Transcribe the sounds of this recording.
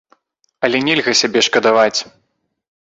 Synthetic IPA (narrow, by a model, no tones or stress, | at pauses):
ɐlʲɛnʲɛlʲɣɐsʲabʲɛʂkɐd̪avat͡sʲ